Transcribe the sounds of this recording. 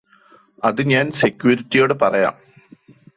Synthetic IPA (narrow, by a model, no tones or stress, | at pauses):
ɐðɨɲaːnsekʲːjuɾitːijo̞ːɽɨpɐrɐja̰ːm